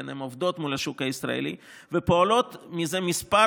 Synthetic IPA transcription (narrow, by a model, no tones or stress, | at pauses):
enemovd̪o̞t̪mulhaʃukhaisɾa̰ḛlḭ | vepoolo̞t̪mizemispa